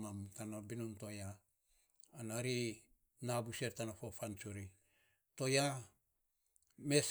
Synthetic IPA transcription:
amtanabinontojaː | naɾi | nabuseɾtanafofant͡ʃuɾi | to̞ja | me̞s

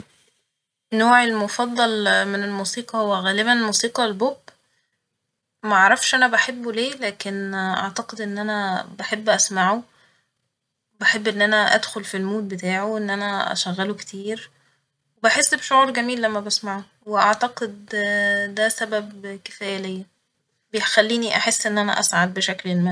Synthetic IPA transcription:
noːʕelmofɑd̪ˤːɑlmenelmuːsiːqɑhowːæɣæːlɪbænelmuːsiːqɑlbob | mæʔɑʕɾˤɑfʃʔænæbaħebːoleːlæːkenʔɑ̰ʕt̪ɑqed̪ʔenːʔænæbaħebːʔæsmaʕu | baħebːʔenːʔænæʔæ̰d̪xolfilmuːt̪̚bet̪aːʕoʔenːʔænæʔæ̰ʃæɣːælokt̪ʰiːɾ | webaħesːbeʃoʕuːɾˤɡæmiːlːæmːæbæsmaʕu | weʔaʕt̪ɑqed̪d̪æsæbæbke̥fæːjælejːæ | bejxælːiːniʔaħesːʔenːʔænæ̰ʔæsʕad̪̚beʃæklelmæ

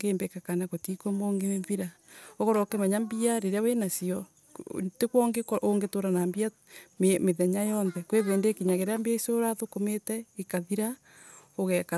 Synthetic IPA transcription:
ɡeːmbekakanaɣotikomoːŋɡeneɱviɾaoɣoɾɔkemaɲambiaɾeɾeawenasiɔ | tekwɔŋɡekoʔoŋɡetoɾanambia | memeðɛɲajɔnðɛkweðeːndekiɲaɣeɾeambiaisoɾaðokometɛikaðiɾa | oɣɛka

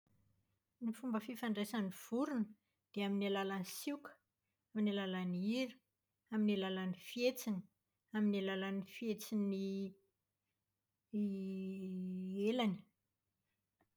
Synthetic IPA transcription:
nifumbəfifaɳɖ͡ʐesaniv̥uɾunə | d̪̥eaminalalanisikə̥ | aminalalaniɾi̥ | aminilalanifjet͡sini̥ | aminalalanifjet͡sini | elani̥

